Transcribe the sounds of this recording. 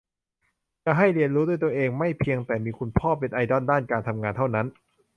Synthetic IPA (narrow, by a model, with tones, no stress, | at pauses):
t͡ɕa˧˩ɦa˥˩jɾi˧ənɾuː˦˥d̪u˥˩əjt̪u˧əʔeː˧ŋma˥˩jpʰi˧əŋt̪ɛː˨˩miː˧kʰu˧npʰɔː˥˩pːe˧nʔa˧jdɔ˥˩ndaː˥˩nkaː˧nt̪ʰa˧mŋaː˧nt̪ʰa˥˩wna˦˥n